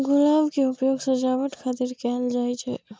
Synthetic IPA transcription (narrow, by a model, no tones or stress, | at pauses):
ɡʊlaːʋkeʊpjoːɡsəd͡ʒaːʋəʈ̪kʰaːt̪iɾkɛːld͡ʒaːit͡ʃʰɛ̰